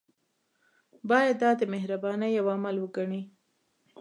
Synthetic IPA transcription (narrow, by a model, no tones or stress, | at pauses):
bɑjad̪ːɑd̪ːəmeɦɾabɑnəjːawamalwəɡaɳi